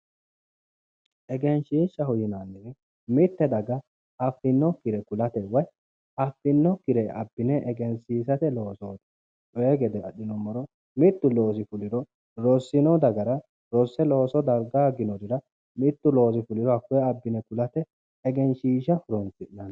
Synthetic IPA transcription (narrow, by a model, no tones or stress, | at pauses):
ʔɛɡɛnʃiːʃːɐhʊjɪnanːɛ | mɪt̪ːɛd̪ɐɡɐ | ɐfːɪnːɔkːɪɾɛkʊlɐt̪ɛwɐj | ɐfːɪnːɔkːɪɾɛʔɐ̰bːɪnɛʔɛɡɛnsiːs̬ɐt̪ɛlo̞ːsoːd̪ɐ̥ | t͡ʃɔjɛɡɛd̪ɛɐ̰ɗɪnɔmɔɾɔ | mɪt̪ːʊlo̞ːs̬ɪfʊlɪɾɔ | ɾɔsːɪnɔd̪ɐɡɐɾɐ | ɾɔsːɛlo̞ːsɔd̪ɐɡaːɡɪnɔd̪ɪɾɐ | mɪt̪ːʊlo̞ːs̬ɪfʊlɪɾɔɐfːɔɐbːɪnɛkʊlɐt̪ɛː | ɡɛnʃiːʃɐfʊɾɔnt͡sɪʔnɐn